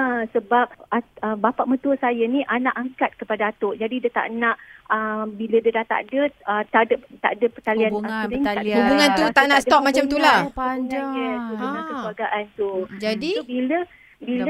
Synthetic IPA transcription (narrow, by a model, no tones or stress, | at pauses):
asəbap̚aəbapaʔmə̃t̪uəsajəniʔanaʔaŋkat̪̚kəpadaat̪oʔd͡ʒadidət̪a̰ʔnaʔəbilədədaht̪a̰ʔdəət̪adət̪a̰ʔdəpət̪alianaeɲaubuŋant̪ut̪anasdt̪ɔk̚mat͡ʃamt̪ulaŋaahubuŋankəkluwaɡaʔant̪ud͡ʒadisobilə | bil